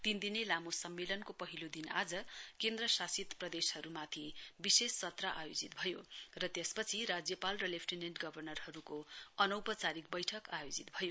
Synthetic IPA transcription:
t̪ind̪inelamosʌmːelʌnkopʌɦilod̪ina̰d͡zʌkend̪rʌsasit̪prʌd̪eshʌɾumat̪ʰibisesːʌt̪raʔajod͡zit̪bʱʌjorʌt̪jespʌt͡sʰiɾad͡zjʌpalrʌlepʰʈineɳʈɡʌbʱʌrnʌrɦʌɾukoʌnʌwpʌt͡saɾik̚bʌjʈʰʌkajod͡zit̪bʱʌjo

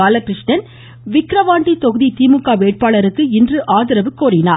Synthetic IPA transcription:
aːlɐkɾɪʂʈɐn | ʋɪkɾɐʋaːɳʈit̪ɔɣɯðit̪iːmɯkːaːʋeːʈ̚paːɭɐɾɯkːɯɪndrɯʔaːðɪɾɐʋɯkːoːɾɪnaː

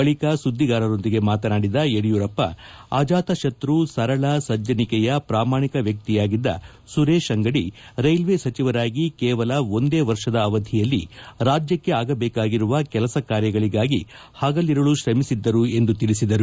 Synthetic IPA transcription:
ɐɭikɐsud̪ːiɡaːɾɐɾo̞nd̪iɡe̞maːt̪ɐnaːɽid̪ɐeɽijuːɾɐpːɐ̰aːd͡ʒaːt̪ɐʃɐt̪ɾusɐɾɐɭɐsɐd͡ʒɐnikɛjɐpɾaːmaːɳikɐʋjɐk̚t̪ijaːɡid̪ːɐ̰ | suɾeːʃɐŋɡɐɽiɾɐjlʋeːsɐt͡ʃiʋɐɾaːɡikɛːʋɐlɐo̞nd̪e̞ːʋɐɾʂɐd̪ɐːʋɐd̪ʱijɐlːiɾaːd͡ʒjɐkːe̞aːɡɐbɛːkaːɡiɾuʋɐkɛlɐsɐkaːɾjɐɡɐɭiɡaːɡi | haːɡɐlːiɾɐɭuʃɾɐmisid̪ːɐɾue̞nd̪ut̪iɭisid̪ɐɾu

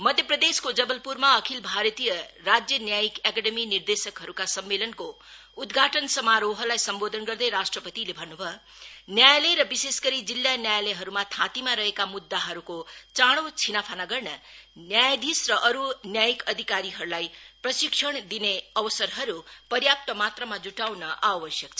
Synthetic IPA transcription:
mʌd̪ʱjʌprʌd̪eskod͡zʌbʌlpurmaʌkʰilbʱaɾʌt̪ijʌrad͡zjʌnjajikakaɖeminird̪esʌkɦʌɾukasʌmːelʌnko | ud̪ɡʱaʈʌnsʌmaɾoɦʌlajsʌmbod̪ʱʌnɡʌrd̪ʌjɾasʈrʌpʌt̪ilebʱʌnːubʱʌ | njajaleɾʌbisesɡʌɾid͡zilːjanjajaleɦʌɾumat̪ʰãt̪imaɾʌɦekamud̪ːaɦʌɾukot͡saɽ̃ot͡sʰinapʰanaɡʌrnʌnjajd̪isrʌʔʌɾunjajikʌd̪ʱikaɾiɦʌɾulajprʌsiksʰʌɽd̪ineʌbʌsʌrɦʌɾupʌrjap̚t̪ʌmat̪rʌmad͡zuʈawnʌʔawʌsjʌkt͡sʰʌ

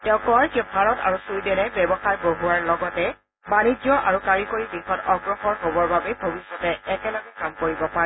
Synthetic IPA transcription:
tɛʊ̃kɔɹkebʱaɹɔta̰ɹusujdɛnɛbɛbɔxaɹboɦuaɹlɔɡɔtɛ | banid͡ʒjɔʔaɹukaɹikoɹiɡixɔtɔɡɹɔxɔɹɦobɔɹbabɛbʱobisːɔtɛɛkɛlɔɡɛkamkoɹibɔpaɹɛ

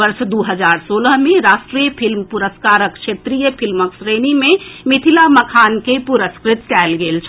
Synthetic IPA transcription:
əɾʃd̪uɦəzaːɾsoːləɦmẽɾaːsʃʈɾiːjəpʰɪlmpuɾəskaːɾəkʃʰeːt̪ɾijəpʰɪlməksɾeːnimẽmɪt̪ʰilaməkʰaːnkepuɾəskɾɪt̪̚kɛːlɡeːlt͡ʃʰ

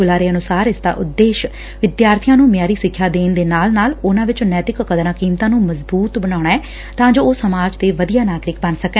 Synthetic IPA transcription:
ʊlaːɾeːənʊsaːɾɪsd̪a̰ːʔʊd̪ːeːʃ | ʋɪd̪jaːɾt̪ʰɪjãːnũːmɪjaːɾiːsɪkʰːjaːd̪eːnd̪eːnaːlnaːlʊnãːʋɪt͡ʃnɛːt̪ɪkəkəd̪ɾãːkiːmt̪ãːnũːməzbuːt̪bəɽ̃aːɽaːɛː | t̪ãːd͡ʒoːoːsəmaːd͡ʒt̪eːʋəd̪ijaːnaːɡɾɪk̚bənsəkɛ̃ː

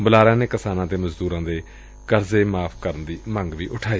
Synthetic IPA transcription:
bəlaːɾãːneːkɪsaːnãːt̪eːməzd̪uːɾãːd̪eː | kəɾzeːmaːpʰkəɾənd̪iːməŋɡʋiːʔʊʈʰaːiː

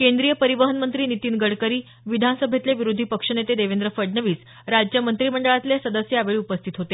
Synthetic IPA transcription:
kend̪ɾijəpəɾiʋəɦənmənt̪ɾiːnit̪iːnɡəɽkəɾiː | ʋid̪ʱansəbʱet̪leʋiɾud̪ʱipəkʂənet̪ed̪eʋend̪ɾəfəɽnəʋiːs | ɾad͡ʑkjəmənt̪ɾiːməɳɖəɭat̪lesəd̪əsjəaʋeɭiːupəst̪ʰit̪ɦot̪e

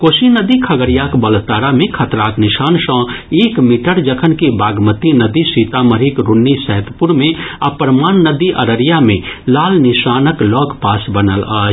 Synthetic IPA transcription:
koːsinəd̪ikʰɐɡəɾjakbəlt̪aːɾamẽkʰɐt̪ɾaːknɪʃaːnsɔ̃ːeːkmiʈəɾd͡ʒəkʰənkibaːɡmət̪inəd̪isiːt̪aməɾikɾʊnːisɛɦt̪pʊɾmẽapəɾmaːnːəd̪iʔɐɾəɾjamẽlaːlnɪʃaːnəklɔːkpaːsbənə̰la̰ː

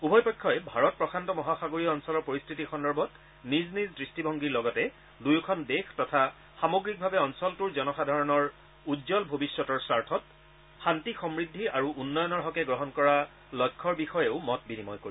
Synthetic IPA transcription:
ubʱɔjpɔjkʰːɔjɛbʱaɹɔt̚pɹɔxʰantɔmɔɦaxaɡoɹiɔɔnsɔlɔɹpoɹistʰitixɔndɔɹbʱɔt | niznizdɹistibʱɔŋɡiɹlɔɡɔtɛ | dujkʰɔndextɔtʰa | xamoɡɹik̚bʱabɛɔnsɔltuɹzɔnɔxadʱaɹɔnɔɹ | udzɔlbʱobisːɔtɔɹsaɹtʰɔt | xantixɔmɹidʱːiaɹuʔunːɔjɔnɔɹɦɔkɛɡɹɔɦɔnkɔɹa | lɔkʰːɔɹbixɔjeʊmɔt̚binimɔjkoɹi

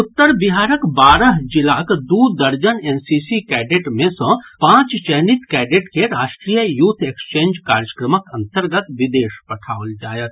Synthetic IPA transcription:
ʊt̪ːəɾbɪɦaːɾəkbaːɾəɦd͡ʒɪlaːkd̪ud̪əɾd͡ʒəneːnsisikɛːɖeʈmẽsə̃pãːt͡ʃt͡ʃɛɦnit̪kɛːɖeʈkeɾaːʃʈɾijəjuːt̪ʰekst͡ʃẽːnd͡ʒkaːɾjəkɾəməkɐ̃nt̪əɾɡət̪ʋɪd̪eːʃpɐʈʰaːold͡ʒaːjət̪

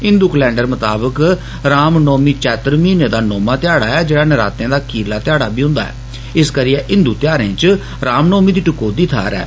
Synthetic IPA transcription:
ɪ̃nd̪uːklɛ̃ːɳɖəɾmət̪aːbək | ɾaːmnoːmiːt͡ʃɛːt̪əɾmiːneːd̪aːnoːmaːt̪ɪjaːɽaːɛːd͡ʒeːɽaːnəɾa̰ːt̪jãːd̪aːkʰiːɾlaːt̪ɪjaːɽaːbʱiːɦʊ̃nd̪a̰ːɦɛ̰ː | ɪskəɾiːɛːʔɪ̃nd̪uːt̪ɪjaːɾẽːt͡ʃ | ɾaːmnoːmiːd̪iːʈʊkoːd̪iːt̪ʰa̰ːɾɛ̰ː

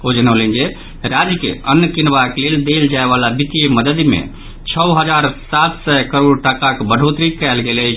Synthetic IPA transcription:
od͡ʒənəwlɛnd͡ʒe | ɾad͡ʒkḛənːkinbakleld̪eld͡ʒaeβalabit̪ijeməd̪əd̪mḛ | t͡ʃʰəɦəd͡ʒaɾsat̪sɛkəɾoɽʈakakbəɽ̤ʱot̪ɾikɛlɡelət͡ʃʰ

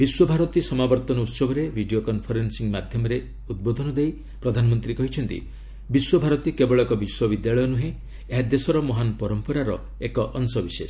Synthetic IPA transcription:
biswɔbʱaɾɔt̪isɔmabɔɾt̪ɔnɔut̪sɔbʱɔɾebʱiɖiokɔnpʰɔɾensiŋmad̪ʱjɔmɔɾe | ud̪̚bod̪ʱɔnɔd̪ej | pɾɔd̪ʱanɔmɔnt̪ɾikɔɦit͡ʃʰɔnt̪ḭ | biswɔbʱaɾɔt̪ikebɔɭɔkɔbiswɔbid̪jaɭɔjɔnuɦẽ | eɦad̪esɔɾɔmɔɦanpɔɾɔmpɔɾaɾɔ̰ | ekɔʔɔnsɔbises

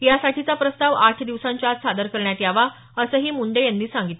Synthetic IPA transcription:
jasaʈʰit͡sapɾəst̪aʋaʈʰd̪iʋsãɲt͡ɕasad̪əɾkəɾɳjat̪jaʋa | əsəːɦiːmuɳɖəjanːiːsãŋɡit̪

